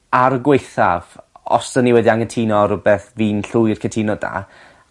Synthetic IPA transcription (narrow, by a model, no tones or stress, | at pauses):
aɾəɡwejθa̰vɔ̰sd̥əniwɛdiaŋəntʰiːnɔɾʊbɛθviːnɬʊɨrkʰəntʰinɔda̰